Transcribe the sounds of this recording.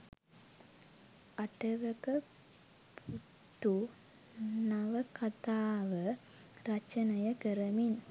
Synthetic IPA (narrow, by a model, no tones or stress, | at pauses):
ɐʈɐʋəkə | pʰu | t̪ːu | naʋəkɐt̪aːʋə | rɐt͡ʃɐnɐjɐkəɾɐmin